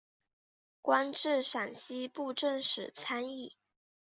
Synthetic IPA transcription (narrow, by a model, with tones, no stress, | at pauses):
kwa˥nʈ͡ʂɻ̩˥˩ʂa˨˩nɕi˥pu˥˧ʈ͡ʂə˥˩ŋʂɻ̩˨˩t͡sʰa˥ni˥˩